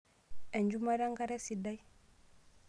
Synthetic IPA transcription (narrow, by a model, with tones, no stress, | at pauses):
ɛ˨ɲd͡ʒu˦ma˦ɾa˦ŋɡa˦ɾɛ˦si˨da˦j